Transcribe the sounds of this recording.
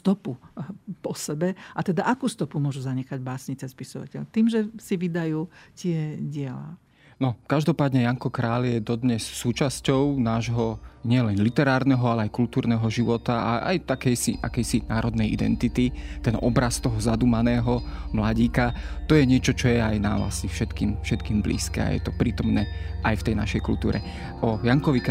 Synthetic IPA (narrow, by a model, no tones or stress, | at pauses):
st̪ɔpupɔsɛbɛʔat̪ɛd̪aʔakuːst̪ɔpumʊɔʒuzaɲɛxaɟbaːsɲit͡sɛspisɔʋa̰cɛ̰ʎt̪iːmʒɛsiʋid̪ajuːcɪɛɟɪɛla̰ː | nɔkaʒd̪ɔpaːd̪ɲɛjaŋkɔkɾaːljɛd̪ɔd̪ɲɛsːuːt͡ʃascɔʊnaːʒɦɔɲɪɛlɛnlit̪ɛɾaːɾnɛɦɔalɛajkult̪uːɾnɛːɦɔʒiʋɔt̪aa̰a̰jt̪akɛjsḭʔa̰kɛjsinaːɾɔd̪nɛjʔḭd̪ɛ̰nt̪it̪it̪ɛnʔɔ̰bɾast̪ɔɦɔzad̪uːmanɛːɦɔmlaɟiːkat̪ɔjɛɲɪɛt͡ʃɔt͡ʃɔjɛajna̰ʋla̰sɲɛfʃɛt̪kiːmfʃɛt̪kiːmblḭːskɛ̰ːa̰jɛ̰t̪ɔpɾiːt̪ɔmnɛːʔajft̪ɛjna̰ʃɛjkult̪uːɾɛ̰ | ʔɔjaŋkɔʋik